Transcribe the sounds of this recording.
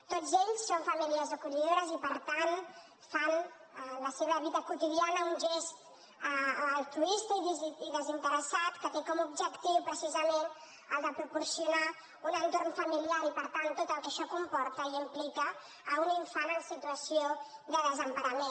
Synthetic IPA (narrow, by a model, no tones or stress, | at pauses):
t̪od͡zeʎsːoɱfamiliazokuʎiðoɾəzipəɾt̪an | fan | ləseβəβiðəkut̪iðianəunʲʒest̪ | əːlˠt̪ɾuist̪əiðziðəzint̪əɾəsat̪kət̪ekɔmub̚d͡ʒəkt̪iwpɾəsizəmen | əlˠd̪əpɾupuɾsiuna | unənt̪oɾnfəmiliaɾipəɾt̪ant̪ot̪əlˠkəʃɔkumpɔɾt̪əiimplikəː | uniɱfanənsit̪uəsijoðəðəzəmpaɾəmen